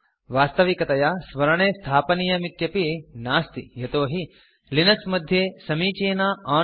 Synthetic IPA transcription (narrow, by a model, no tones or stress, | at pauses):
ʋaːst̪ɐʋikɐt̪ɐjaːsʋɐɾɐɳ̃eːst̪ʰaːpɐnijɐmit̪jɐpinaːst̪ḭɦɐt̪oːɦi | linɐksmɐd̪ʱjeːsɐmiːt͡ʃeːnaːaː